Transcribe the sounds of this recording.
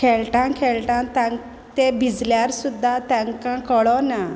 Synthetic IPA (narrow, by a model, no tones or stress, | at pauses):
kʰɛɭʈãkʰɛɭʈãt̪ã | t̪ebʱid͡zljaɾsud̪ːat̪ɛ̃ŋkãkəɭɔna